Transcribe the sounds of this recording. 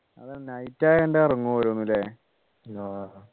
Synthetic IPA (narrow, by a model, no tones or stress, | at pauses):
ɐ̰ðɨnɐjtːaːjeɳɖeɐrɐŋːuʋɐɾunːilːe | aː